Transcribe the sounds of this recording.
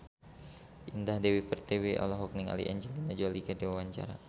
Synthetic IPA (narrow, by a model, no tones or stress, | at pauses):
ʔindahdɛwipɛrt̪ewiʔɔ̰lɔɦɔk̚niŋa̰lḭʔɛ̰ɲd͡ʒildinad͡ʒalikadiwawaɲt͡ʃa̰ɾa